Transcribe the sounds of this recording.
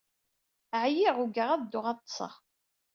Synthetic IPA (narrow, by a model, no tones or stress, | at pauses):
ʕjiʁuɡəʁæðd̪ːʊʁɑt̪ˤːsˤə̰ʁ